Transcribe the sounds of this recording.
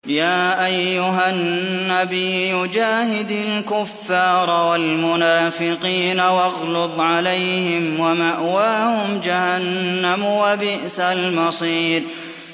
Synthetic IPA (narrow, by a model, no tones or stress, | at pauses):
jaːʔajːʊɦanːabijjʊd͡ʒaːhɪd̪alkʊfːɑːɾˤwalmʊnaːfɪqiːnawɑɣlʊðˤʕalajhɪmwamaʔwaːhʊmd͡ʒahanːamwabɪʔsalmɑsˤiːɾ